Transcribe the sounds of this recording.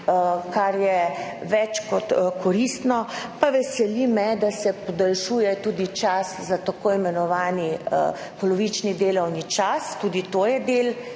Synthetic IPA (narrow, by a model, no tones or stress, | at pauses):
kaɾjɛʋɛt͡ʃkɔt̪kɔɾist̪nɔpaʋɛsɛlimɛd̪asɛpɔd̪alʃuːjɛt̪uːd̪it͡ʃaszat̪akoːimɛnɔʋaːnḭ | pɔlɔʋit͡ʃnid̪eːlɔwnit͡ʃast̪uːd̪it̪oːjɛd̪eːl